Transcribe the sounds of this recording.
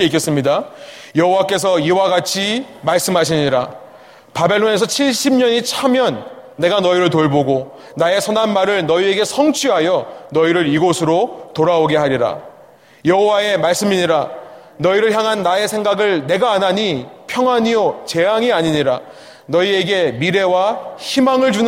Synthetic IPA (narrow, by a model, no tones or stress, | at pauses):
eik͈es͈ɯmɲida | jʌɦowak͈e̞s̬ʰʌiwaɡat͡ɕʰimaɭs͈ɯmɦaɕ̬ʰiɲiɾa | pabe̞ɭːone̞s̬ʰʌt͡ɕʰiɭɕ͈imɲʌɲit͡ɕʰamjʌnː | e̞ɡanʌiɾɯɭtoɭboɡo | nae̞sʰʌnanmaɾɯɭnʌie̞ɡe̞sʰʌŋt͡ɕʰiɦajʌnʌiɾɯɾiɡosʰɯɾotoɾaoɡe̞ɦaɾiɾa̰ | jʌɦowae̞maɭs͈ɯmiɲiɾa | nʌiɾɯɭçjaŋɦanːae̞sʰe̞ŋɡaɡɯɭne̞ɡaːnaɲipʰjʌŋɦwaɲiot͡ɕe̞ɦaŋiaɲiɲiɾa | nʌie̞ɡe̞miɾe̞waçimaŋɯɭd͡ʑun